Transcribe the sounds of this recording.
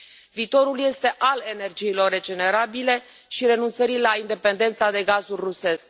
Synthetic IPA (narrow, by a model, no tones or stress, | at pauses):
viːt̪o̞ɾulje̞st̪e̞ʔale̞nerd͡ʒiːlo̞rːe̞d͡ʒe̞ne̞ɾabile̞ | ʃiɾe̞nunt̪səɾilaind̪e̞pe̞nd̪e̞nt̪sad̪e̞ɡazulʲruse̞sk